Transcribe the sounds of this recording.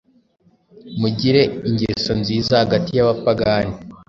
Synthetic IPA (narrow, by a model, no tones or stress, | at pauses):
muɟiɾe̞iɲɟḛso̞nziːzahaɡatijaβapaɡaːni